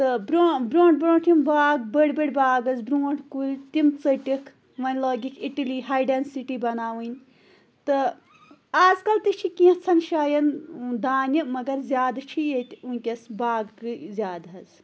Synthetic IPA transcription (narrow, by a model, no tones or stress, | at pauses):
t̪ɨbɾoːbɾõːɳʈ̚bɾoːɳʈʰʲimbaːɡbəɽʲbəɽʲbaːɡɐzbɾuːɳʈʰkulʲt̪imt͡səʈikʰ | ʋɐnʲlɔːɡikʰiʈiliɦaːjɖensiʈibɐnaːʋɨnʲ | t̪ɨ | aːzkɐlt̪ɨt͡ʃʰikĩt͡sʰɐnʃaːjɐnd̪aːnʲimɐɡɐɾzʲjaːd̪t͡ʃʰijet̪ʲunʲkʲɐsbaːɡɨzʲaːd̪ɦɐz